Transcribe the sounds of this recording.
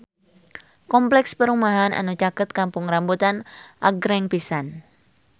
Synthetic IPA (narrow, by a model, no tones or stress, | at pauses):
kɔmplɛkspəɾumaɦana̰nut͡ʃakət̪̚kampʊŋrambut̪anʔa̰ɡɾɛŋpisan